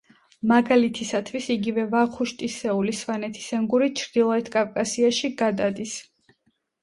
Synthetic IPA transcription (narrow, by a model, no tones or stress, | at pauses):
maɡalit̪ʰisat̪ʰwisiɡivɛvaχuʃt̪ʼisɛuliswanɛt̪ʰi̥sɛŋɡuɾit͡ʃʰɾd̪ilˠɔɛt̪ʰkʼavkʼasiaʃiɡad̪ad̪is